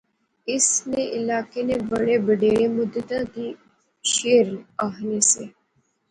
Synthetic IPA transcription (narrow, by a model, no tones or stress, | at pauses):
ɪsnẽʔɪlaːkenebəɽebəɖeːɭeːmʊd̪ət̪ãd̪iː | ʃeːɾaːɦneseː